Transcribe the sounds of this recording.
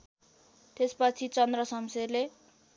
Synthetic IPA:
t̪espʌt͡sʰit͡sʌnd̪rʌsʌmserle

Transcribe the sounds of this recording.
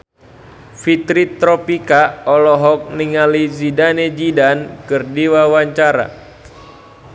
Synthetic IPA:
fit̪ɾit̪ɾɔpikaɔlɔɦɔk̚niŋalizidaned͡ʒidankɨrdiwawaɲt͡ʃaɾa̰

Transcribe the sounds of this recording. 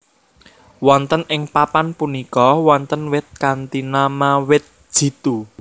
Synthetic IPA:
wɔnt̪ənɪŋpapanpunikɔwɔnt̪ənwɪt̪̚kant̪inamawɪt̪̚ʒ̥i̤t̪u

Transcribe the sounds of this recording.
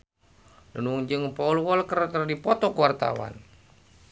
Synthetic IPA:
nənuŋd͡ʒɨŋpɔulwɔlkəɾt̪ərdipɔt̪ɔkuwart̪a̰wa̰n

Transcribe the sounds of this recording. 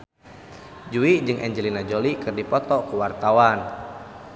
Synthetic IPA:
d͡ʒuid͡ʒɨŋʔɛɲd͡ʒəlinad͡ʒolikɨrdipɔt̪ɔkuwart̪awan

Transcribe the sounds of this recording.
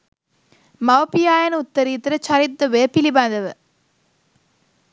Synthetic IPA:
mɐʋɐpijaːjɐnʊt̪ːɐɾit̪ːɪɾɐt͡ʃɐɾɪt̪ːɐʋeːpilibaːnd̪ɐʋɯ

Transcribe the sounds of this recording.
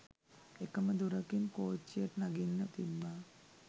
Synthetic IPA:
ekːɐmɐd̪uɾɐkinkoːt͡ʃːijɐʈnɐɡinːɐt̪imba

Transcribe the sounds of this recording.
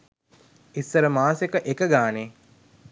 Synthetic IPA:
isːəɾəmaːsekəʔekəɡaːneː

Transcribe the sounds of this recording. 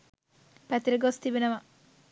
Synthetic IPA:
pɛt̪iɾiɡost̪ibenɐʋɐ

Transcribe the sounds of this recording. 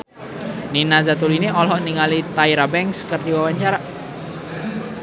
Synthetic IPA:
ninazat̪uliniʔɔlɦɔʔniŋalit̪aiɾabɛŋkskərdiwawaɲt͡ʃaɾa

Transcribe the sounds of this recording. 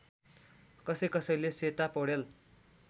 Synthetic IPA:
kʌsʌjkʌsʌjleset̪apʌɽel

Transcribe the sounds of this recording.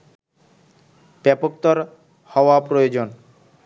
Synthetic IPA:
b̥ɛpok̚t̪oɾ | hɔoapɾojod͡ʑon

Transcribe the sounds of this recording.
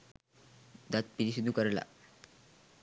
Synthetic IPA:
d̪at̪̚piɾiɕud̪ʱːukəɾla̰

